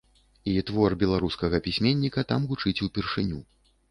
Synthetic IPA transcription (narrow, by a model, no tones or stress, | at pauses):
it̪vɔrbʲɛlˠaɾuskɐɣɐpʲisʲmʲenʲːikɐt̪amɣut͡ʂɨt͡sʲupʲirʂɨnʲṵ